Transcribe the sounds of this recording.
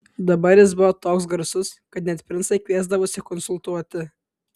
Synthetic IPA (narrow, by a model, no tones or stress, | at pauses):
d̪ɐbɐɾʲjɪsbʊʋɔːt̪oːks̬ɡɐɾsʊskɐt̪nʲɛt̪ʲpʲɾʲɪnsɐɪkʋʲiɛzd̪ɐʋoːsʲɪkɔnsʊlˠt̪uɔt̪ʲɪ